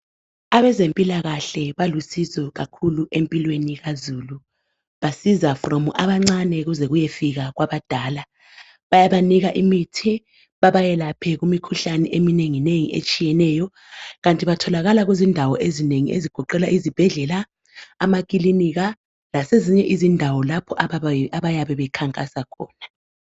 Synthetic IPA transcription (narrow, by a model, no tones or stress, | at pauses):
aβɛzempʼilaɣaɬɛβalusizɔɣakʰuluʔempʼilweniɣazuːlu | βasizafromuʔaβaŋ͡ǀanɛɣuzɛɣujefiɣaɣwaβad̥ʱaːla | βajaβaniɣaʔimitʰi | βaβajɛlapʰɛɣumikʰuɬanɛʔemineŋineŋiʔḛt͡ʃʼijɛnɛːjɔ | ɣantʼiβatʰɔlaɣalaɣwezindʱawɔʔezineŋḭʔḛziɡ̥ʱɔǃɛlaʔizib̥ʱɛɮɛla | amaɣʼiliniɣa | laseziɲɛʔizindʱawɔlapʰɔʔaaaβajaβɛβɛkʰaŋkʼasakʰɔ̰ːna